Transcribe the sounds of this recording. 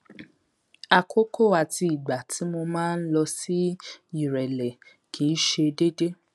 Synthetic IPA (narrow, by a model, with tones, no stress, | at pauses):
a˧kʰo˦ko˦˨a˨ti˧i˨ɡ͡ba˨tʰi˨˦mo˧mãː˦n̩˦lɔ˧si˦i˦˨ɾɛ˨lɛ˨ | kʰĩ˨˦ʃe˧de˦de˦